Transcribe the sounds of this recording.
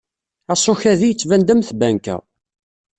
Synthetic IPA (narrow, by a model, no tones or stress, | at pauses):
æsˤoçæðijət͡sːvænd̪əmθbæŋkæ̰